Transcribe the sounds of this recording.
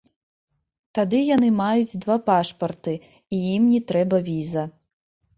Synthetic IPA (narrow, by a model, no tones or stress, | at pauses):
t̪ad̪ɨjan̪ɨmajud͡zʲd̪vapaʂpɐrt̪ɨ | ijimnʲɛt̪ɾɛbɐvʲizɐ